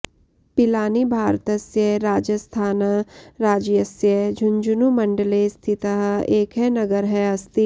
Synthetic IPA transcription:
pɪlaːnibʱaːɾt̪əsjəɾaːd͡ʒəst̪ʰaːnəɾaːd͡ʒjəsjəd͡ʒʱʊnd͡ʒʊnumɐ̃ɳɖəlest̪ʰɪt̪əɦeːkɦɛnɐɡəɾɦɛɐst̪i

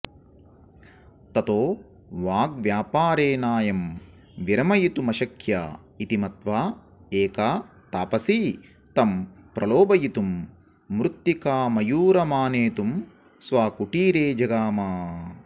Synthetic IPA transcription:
t̪ɐt̪oː | ʋaːɡʋjaːpaːɾeːnaːjɐm | ʋiɾɐmɐjit̪umɐʃɐkʰja̰ː | it̪imɐt̪ʋaː | eːkaː | t̪aːpɐsi | t̪ɐmpɾɐloːbɐjit̪umː | ɾut̪ːjikaːmɐjuːɾɐmaːneːt̪um | sʋaːkuʈiːɾeːd͡ʒɐɡaːmaː

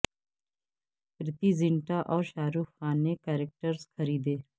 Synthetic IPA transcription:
pɾɪt̪iːzɪ̃ɳʈaːʔɔːɾʃaːɾuːfxaːneːkɛːɾek̚ʈəɾskʰəɾiːd̪eː

